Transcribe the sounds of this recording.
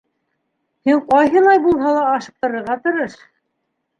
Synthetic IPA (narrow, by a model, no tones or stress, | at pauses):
hiɴqɑjɦɤ̆lˠɑjbulˠɦɑlˠɑːʃɤ̥̆p̚t̪ɤ̆ɾɤ̆ɾʁɑt̪ŏɾɤʃ